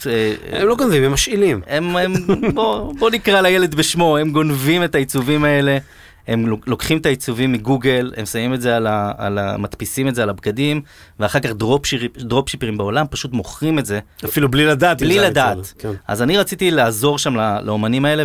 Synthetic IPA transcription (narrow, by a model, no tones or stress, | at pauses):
eemloɡonvimemaʃilimemembobo̞nikʁalajele̞d̪beʃmo̞e̞mɡo̞nvime̞tait͡suvimae̞le̞ | hemlo̞kχimet̪ait͡suvimːiɡuɡe̞le̞̰msamimetzealaa̰la̰mat̪pisimetzealabɡad̪im | veaχaʁkaχd̪ʁopʃid̪ʁo̞pʃipeʁimbeolampaʃut̪mo̞χʁime̞tze̞afilublilad̪aːt̪blilad̪aːtkʔa̰zaniʁat͡sit̪ilaːzo̞ʁʃamlalʔao̞manimae̞le